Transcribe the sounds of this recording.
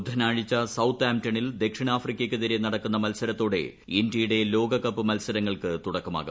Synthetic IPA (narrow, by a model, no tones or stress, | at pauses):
d̪ʱɐnaːɻit͡ɕːɐsɐwt̪ːaːmtɐɳild̪e̞kʂiɳaːfrikʲːɐkʲːɨt̪ɐɾenɐɽɐkːunːɐmɐlsɐɾɐt̪ːo̞ːɽe̞̰ | indijuɽe̞lo̞ːɡɐkːɐpːɨmɐlsɐɾɐŋːɐɭkɨt̪uɽɐkːɐma̰ːɣu